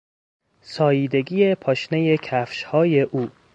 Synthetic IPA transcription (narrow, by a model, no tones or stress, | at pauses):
sɒːjiːd̪e̞ɡiːjepʰɒːʃneje̞cʰæfʃhɒːjeʔuː